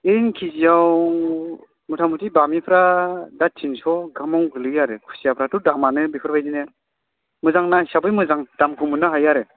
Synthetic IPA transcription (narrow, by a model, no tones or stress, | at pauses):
enkʰizijawŋ | mɯtʰamʰutibamipʰɾadatʰinsɔɡamɔŋɡɯlɯjaɾɯkʰu̥sijapʰɾatudak̚manɯbipʰɯɾbʰajzinɯ | mɯzaŋnasabɯjmɯzaŋd̥amkʰumɯnɯɦajaɾɯ